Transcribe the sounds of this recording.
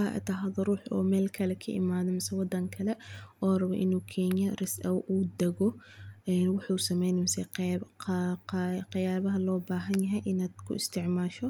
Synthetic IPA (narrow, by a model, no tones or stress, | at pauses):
ɐʔt̪ʰɐɦɐðɔruːħɔ̰ːmɛːlkʰɐlɛkʰɐʔɪ̰maːðɔmɪsɐwɑd̪ɐŋkʰɐlɛɔːrɐβɛʔɪnuːkʰɛnjɐrɪsʔɐwʔuːd̪ɛɣɔɛːnwʊħuːsɐmɛjnmɪsɛqː | qɑjaːβɐɦɐlɔːbaːɦɐnjɐɦɛjʔɪnaːd̪̥kʰʊ̰ɪst̪ʰɪʕmaːʃɔ